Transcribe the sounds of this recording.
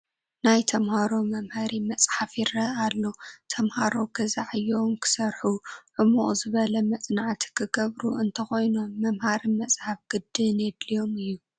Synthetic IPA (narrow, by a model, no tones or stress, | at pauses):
najt̪ʰɐmhaɾo̞mɐmhaɾimɐsʼħafjiɾɐalːo̞t̪ʰɐmhaɾo̞ɡɐzaʕɨjomkʰɨ̥sɐɾħuʕɨmoʔʼzɨβɐlɐmɐt͡s̪ʼnaʕt̪ʰi̥kʰɨɡɐβɾuʔɨnt̪ʰɐxo̞jnomːɐmhaɾimɐsʼħafɡ̥ɨd̪ːɨned̪lijo̞mɨjːu